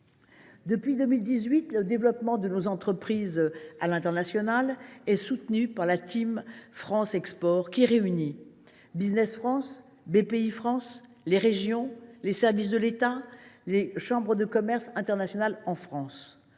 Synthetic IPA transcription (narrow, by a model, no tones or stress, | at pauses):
d̪əpɥid̪əmild̪izɥit̪ləd̪evlɔpmɑ̃d̪ənozɑ̃t̪χəpχizalɛ̃t̪ɛʁnasjɔnalɛsut̪nypaʁlat̪ʰimfχɑ̃sɛkspɔʁkʲiʁeyni | biznɛsfχɑ̃s | bepeifχɑ̃s | leʁeʒjɔ̃lesɛʁvis̬d̪əlet̪aleʃɑ̃bʁəd̪əkɔmɛʁsɛ̃t̪ɛʁnasjɔnalɑ̃fχɑ̃s